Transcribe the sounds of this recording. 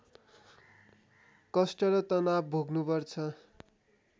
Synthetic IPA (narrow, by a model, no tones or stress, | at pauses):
kʌsʈʌɾʌt̪ʌnabbʱoɡnupʌrt͡sʰʌ